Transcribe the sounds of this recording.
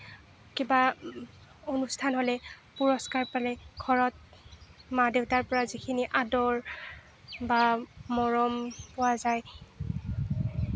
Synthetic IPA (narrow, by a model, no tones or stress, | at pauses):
kiba | onustʰanɦolɛpuɹɔskaɹpalɛɡʱɔɹɔt̚madewtaɹpɔɹazikʰiniʔadɔɹ | bamɔɹɔmpɔwazaj